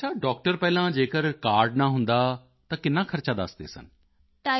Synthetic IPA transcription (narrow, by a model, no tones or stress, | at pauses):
ət͡ʃʰaːɖɔːk̚ʈəɾpɛːlãːd͡ʒeːkəɾkaːɾɖnãːɦʊnd̪aː | t̪ãːkɪnːãːkʰəɾt͡ʃaːd̪ə̰sd̪ḛːsə̰n | ʈaː